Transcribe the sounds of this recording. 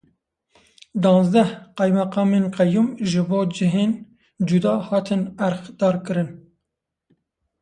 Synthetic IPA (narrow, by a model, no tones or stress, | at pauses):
d̪ɑ̃ːnzd̪ɛhqɑjmɛqɑːmeːnqɛjumʒɨboːd͡ʒɨɦeːn | d͡ʒud̪ɑːhɑːt̪ʰɨnæɾxd̪̥ɑːɾkɨɾɨn